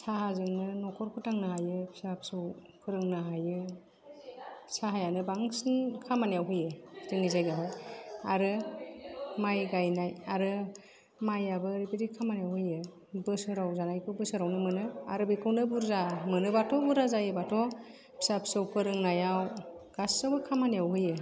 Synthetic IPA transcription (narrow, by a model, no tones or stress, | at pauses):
sahazɯŋnɯnɔkʰɔɾkʰɯtaŋnaɦajɯpʰi̥sapʰsɯwpʰɯɾɯŋnaɦajɯ | saɦajanɯbaŋsɯnkʰamanijawɦɯjɯtiŋizajɡaɦɔjaɾɯ | majɡajnajaɾɯ | majabɯɾipiɾikʰamanijawhɯjɯ | bɯsɯɾawzanajkʰɯbɯsɯɾawnɯmɯnɯa̰ɾɯbikʰɯwnɯbuɾzamɯnɯbatʰɔbuɾazajɯbatʰɔ | pʰi̥sapsɯwpʰɯɾɯŋnajawɡ̥asːawbɯkʰamanijawɦɯjɯ